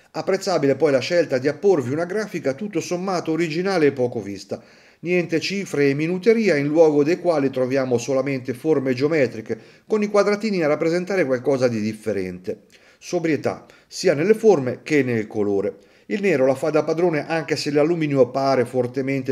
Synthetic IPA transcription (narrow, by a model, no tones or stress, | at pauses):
apːɾet̪sːaːbilepɔjlaʃɛlt̪ad̪iapːorviunaɡɾaːfikat̪ut̪ːosomːaːt̪oːɾid͡ʒinaːleːpːɔːkovist̪a | njɛnt̪et͡ʃiːfɾeːmːinut̪eɾiːainlwɔːɡod̪ejkwaːlit̪ɾovjaːmosolament̪eformed͡ʒeomɛːt̪ɾike | konikwad̪ɾat̪iːniarːapːɾezent̪aːɾekwalkɔːzad̪id̪ifːeɾɛ̰nt̪e | sobɾjet̪a̰ | siːanelːeformek̟enːelkoloːɾe | ilnɛːɾolafad̪apːad̪ɾoːneʔaŋk̟eselalumiːnjopaːɾefort̪ement̪e